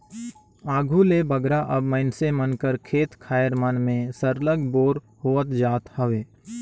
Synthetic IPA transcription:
aːɡʱulebəɡɾaʔəbməɪnsemənkəɾkʰeːt̪kʰaːjəɾmənmẽsəɾləɡboːɾ | hoːət̪d͡ʒaːt̪həʋeː

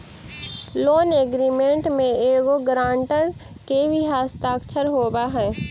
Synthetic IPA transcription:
loːneɡɾiːmẽːɳʈmẽeːɡoɡɾãːɳʈəɾ | kebʱiɦaːst̪aːkʃʰəɾɦoːbaɦɛ̃ː

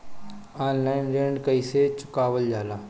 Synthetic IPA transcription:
aːnlaːɪnɾẽːɳɖkəiset͡ʃʊ̥kaːʋəld͡ʒaːlaː

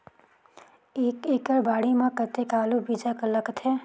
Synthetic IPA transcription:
eːkeːkəɾbaːɽimãkət̪ekaːlubʱiːd͡ʒakələkt̪ɦɛː

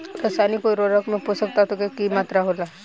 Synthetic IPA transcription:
ɾəsanikoiɾoɾəkmeposək̚t̪at̪okekimat̪ɾaɦola

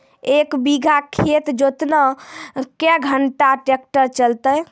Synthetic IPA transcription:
ekbiɡʱakʰet̪d͡ʒot̪nəkɛɡʱəɳʈaʈekʈəɾt͡ʃəlt̪əj

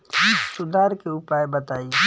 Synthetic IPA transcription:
issʊd̪aːɾkeʊpaːebɐt̪aːi

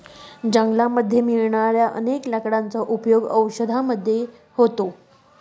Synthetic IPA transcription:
d͡ʑəŋɡlaməd̪ʱːjemiɭɳaɾjaʔə̰nekləkɽant͡səʔupjoɡəwɕəd̪ʱaməd̪ʱːje | ɦot̪o

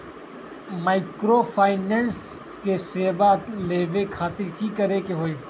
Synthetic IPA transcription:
maːɪkɾoːpʰaːɪneːnskeseːbat̪leːʋekʰaːt̪ɪɾkikɐɾekeɦoːeː

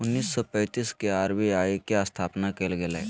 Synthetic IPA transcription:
ʊnːiːsːɔpɛ̃ːt̪iːskeaːɾʋiaːekeast̪ʰaːpnakelɡelɛ̰ː

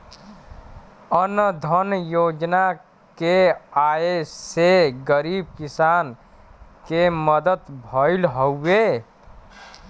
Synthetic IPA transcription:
ənd̪ʱənjod͡ʒna | keaeseɡəɾib̚kisan | keməd̪ət̪bʱəɪlɦəwːe

